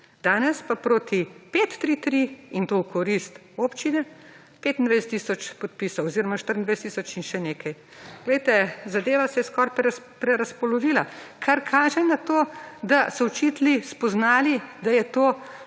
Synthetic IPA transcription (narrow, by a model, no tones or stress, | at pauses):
d̪aːnɛspapɾoːt̪ipeːt̪ːɾit̪ɾiint̪owkɔɾist̪ | oːpt͡ʃinɛ | peːt̪nd̪ʋajsɛt̪ːisɔt͡ʃpɔt̪̚pisɐwɔziɾɔmaʃt̪əɾnd̪ʋajsɛt̪isɔt͡ʃinʃɛneːkɐj | ɡ̥lɛjt̪ɛzad̪eːʋasɛjɛskɔːɾp | pɾɛɾaspɔlɔʋiːlakʰaɾkʰaːʒɛnat̪oːd̪asɔwt͡ʃit̪lispɔznaːlid̪ajɛt̪oː